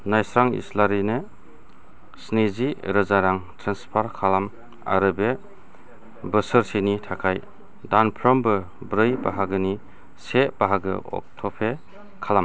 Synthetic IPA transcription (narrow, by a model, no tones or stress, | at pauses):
najsɾaŋḭslaɾine | sniziɾɯzaɾaŋtʰɾanspʰaɾkʰalam | a̰ɾɯbe | bɯsɯɾsenitʰakʰaj | danpʰɾɔmbɯ | bɾɯjba̰ɦaɡɯni | seb̥aɦaɡɯ̰ɔ̰k̚tʰɔpʰe | kʰalam